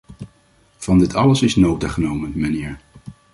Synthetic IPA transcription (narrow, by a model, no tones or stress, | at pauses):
v̥ɑndɪtɑləsɪsnowtaːχənowmənmənɪːɹ